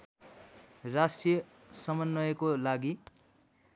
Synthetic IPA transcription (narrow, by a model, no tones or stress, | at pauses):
rasʈijʌ | sʌmʌnːʌjekolaɡi